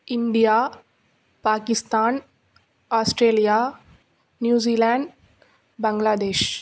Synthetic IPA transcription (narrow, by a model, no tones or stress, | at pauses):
ɪɳɖijaː | paːkɪst̪aːn | aːsʈɾeːlijaː | njuːziːlãːɳɖ | bɐŋɡlaːd̪eːʃ